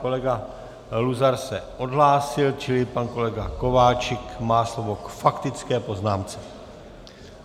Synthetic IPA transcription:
kolɛɡa | luzaɾsɛʔo̞d̪ɦlaːsɪlt͡ʃɪlɪpanko̞lɛɡako̞vaːt͡ʃɪkmaːslovokfakt̪ɪt͡skɛːpo̞znaːmt͡sɛ̥

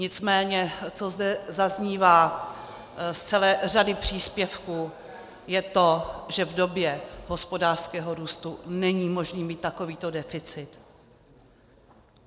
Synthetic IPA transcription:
ɲɪt͡smɛːɲɛt͡so̞zdɛzazɲiːvaː | st͡sɛlɛːr̝adɪpr̝̥iːspjɛfkuː | jɛt̪o̞ʒɛvdo̞bjɛɦo̞spo̞daːr̥skɛːɦo̞ɾuːst̪unɛɲiːmo̞ʒniːmiːt̪ːako̞viːt̪o̞dɛfɪt͡sɪt̪

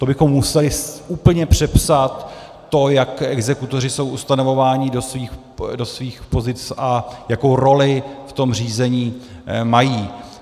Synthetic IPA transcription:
t̪o̞bɪxo̞mːusɛlɪʔuːpl̩ɲɛpr̝̥ɛpsat̪ː | o̞jakʔɛɡzɛkut̪o̞r̝ɪso̞wʔust̪ano̞vo̞vaːɲɪdosviːx | do̞sviːxpo̞zɪt͡sʔajako̞wɾo̞lɪft̪o̞mr̝iːzɛɲiː | majiː

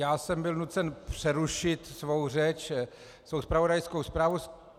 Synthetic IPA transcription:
jaːsɛmbɪlnut̪t͡sɛnpr̥ɛɾuʃɪt̪svowr̝ɛt͡ʃ | svowspɾavodajskowspɾaːvu

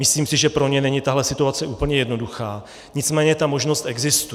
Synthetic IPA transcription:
mɪsliːmsɪʒɛpɾo̞ɲɛnɛɲɪt̪aɦlɛsɪt̪uat͡sɛʔuːpl̩ɲɛjɛdno̞duxaː | ɲɪt͡smɛːɲɛt̪amo̞ʒno̞st̪ʔɛɡzɪst̪u

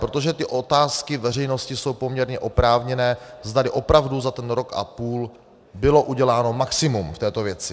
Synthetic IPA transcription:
pɾot̪o̞ʒɛt̪ɪʔo̞t̪aːskɪvɛr̝ɛjno̞scɪso̞wpo̞mɲɛɾɲɛʔo̞pɾaːvɲɛnɛː | zd̪alɪʔo̞pɾavduzat̪ɛnɾo̞kʔa̰puːl | bɪlo̞ʔuɟɛlaːno̞maksɪmumft̪ɛːt̪o̞vjɛt͡sɪ

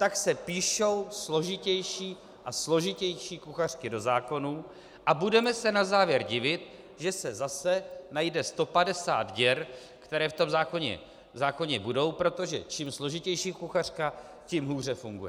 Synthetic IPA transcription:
t̪aksɛpiːʃo̞wslo̞ʒɪcɛjʃiː | ʔaslo̞ʒɪcɛjʃiːkuxar̝̥kɪdo̞zaːko̞nuː | ʔabudɛmɛsɛnazaːvjɛɾɟɪvɪt̪̚ | ʒɛsɛzasɛnajdɛst̪o̞padɛsa̰ːd̪ɟɛɾ | kt̪ɛɾɛːft̪o̞mzaːko̞ɲɛ̰ | zaːko̞ɲɛbudo̞wpɾo̞t̪o̞ʒɛt͡ʃimslo̞ʒɪcɛjʃiːkuxar̝̥ka | cimɦuːr̝ɛfuŋɡujɛ

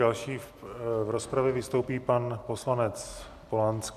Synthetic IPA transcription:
alʃiːvɾo̞spɾavjɛvɪst̪o̞wpiːpanpo̞slanɛt͡s | polansk

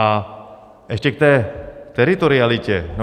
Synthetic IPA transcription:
a | ʔɛʃcɛk̚t̪ɛːt̪ɛɾɪt̪oɾɪalɪcɛno

